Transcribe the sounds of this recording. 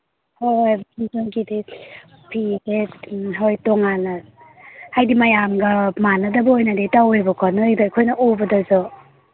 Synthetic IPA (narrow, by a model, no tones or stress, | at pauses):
hojbnsoŋkide | pʰideɦojtoŋanɐ | hajdimɐjamɡɐmanːɐdɐbɐojnɐdetawojbɐkʰɔnɯjdajkʰojnɐʔobɐdɐzɔ